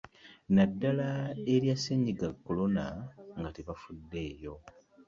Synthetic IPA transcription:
nadːalaeɾjasːeɲːiɡakːo̞lo̞naŋɡateβafudːe̞ːjo̞

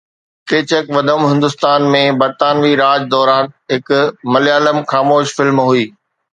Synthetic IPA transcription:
keːt͡ɕəkʋɐd̪ʱəmɦɪ̃nd̪ʊst̪aːnmẽbɐɾt̪aːnʋiɾaːd͡ʑd̪ɔːɾaːnɦɪkmɐliaːləmxaːmoːʃfɪlmɦuiː

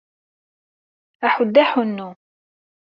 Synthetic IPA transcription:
aħʊd̪ːaħʊnːu

